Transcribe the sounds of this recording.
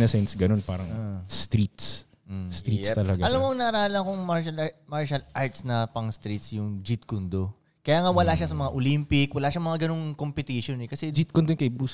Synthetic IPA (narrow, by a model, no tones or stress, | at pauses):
nɐsɛnsɡɐno̞npa̰ːɾɐŋst̪ɾit̪s̩ | st̪ɾist̪ɐlɐɡɐlamːoɐŋnɐɾaːlɐkoŋmaɹʃɐlmaɹʃɐlʔaɹt̪snɐpɐŋst̪ɾit̪sjʊŋd͡ʒit̪̚kʊnd̪o | kɐjaːŋawɐlaʃasɐmɐŋaʔolimpɪkwɐlaːʃamɐŋaɡɐnoŋkompɪt̪iʃonɛkɐsɛd͡ʒit̪̚kond̪onkɐjbus